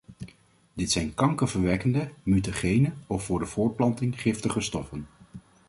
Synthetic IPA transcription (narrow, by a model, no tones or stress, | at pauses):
dɪtsɛjnkɑŋkəvəɹʋɛkəndəmytoχejnəɔfːʊːɹdəv̥ʊːɹ̚plɑntɪŋχɪftəχəstɔfən